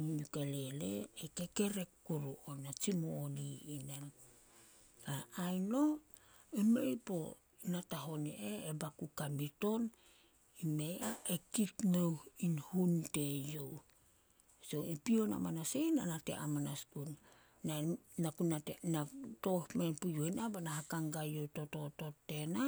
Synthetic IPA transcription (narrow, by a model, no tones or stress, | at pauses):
ukale̞lḛekeke̞ɾe̞kːuɾuonat͡ʃimoːniːnen | aajno̞ | emḛjpo̞̰ | nataɦo̞nḛʔeebakukambito̞n | ime̞jaʔekitmewhinhunte̞jow | so̞ipio̞na̰manasejna̰nate̞̰ʔa̰manaskunː | anakunaenato̞hmenpujoenabanaɦakaŋɡajowto̞to̞to̞tːe̞na